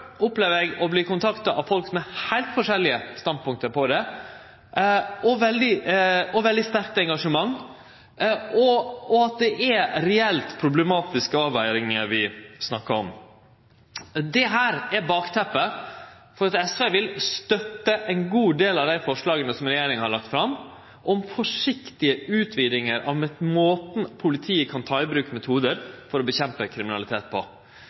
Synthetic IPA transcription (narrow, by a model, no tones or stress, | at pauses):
ʊpleːʋəɾɛɡɔbliːkʊnt̪ʰɑkt̪ɑʔɑʋfɔlkmɛhæɪlt̪fɔʂɛlːɪəst̪ɑnd̪̚pʊŋk̚t̪əɾpʰɔd̪ɛ | ɔʋɛld̪ɪɔʋɛld̪ɪst̪æɾk̚t̪ɛŋɡɑʂəmɑŋː | ɔɔɑt̪̚d̪ɛʔɛɾɛɛlt̪pʰɾʊblɛmɑːt̪ɪskəɑːʋæɪɾɪŋəɾʋɪsnɑkːəɔ̰m | d̪ɛɦæːɾɛɾbɑːkt̪ʰɛpːə | fɔɾɑt̪ɛsʋeːʋɪlst̪œt̪ːəʔɛɪnɡuːd̪eːlɑʋd̪æɪfɔʂlɑːɡənəsɔmɾɛjeːɾɪŋhɑɾɭɑk̚t̪fɾɑm | ʔɔmfɔʂɪkt̪ɪəʉːt̪ʰʋiːd̪ɪŋəɾʔɑ̰ʋmɛmoːt̪n̩pʰʊlɪt̪ʰiːəkʰɑnt̪ʰɑːɪbɾʉːkəmɛt̪ʰuːd̪əɾfɔɾɔbəçɛmpəkʰɾɪmɪnɑlɪt̪ʰeːt̪̚pʰɔ